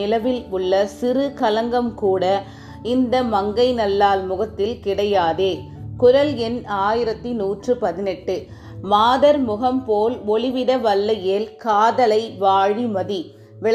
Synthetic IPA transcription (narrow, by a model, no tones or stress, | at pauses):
ɪlɐʋɪlʊɭːɐsɪrɯkɐlɐŋɡɐmkuːɽɐ | ɪnd̪ɐmɐŋɡɐɪnɐlːaːlmʊɣɐt̪ːɪlkɪɽɐjaːðeː | kʊɾɐlɛnaːjɪɾɐt̪ːinuːʈtrɯpɐðɪnɛʈːɯ | maːðɐɾmʊɣɐmpoːlɔɭɪʋɪɽɐʋɐlːɐjeːlkaːðɐlɐɪʋaːɻimɐði | ʋɪɭ